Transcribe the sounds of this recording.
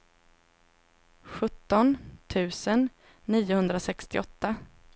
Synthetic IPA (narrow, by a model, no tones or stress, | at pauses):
ɧɵt̪ːɔnt̪ʰʉ̟ːsənː | iːʊhɵnd̪ɾasɛkst̪ɪ̰ɔt̪ːa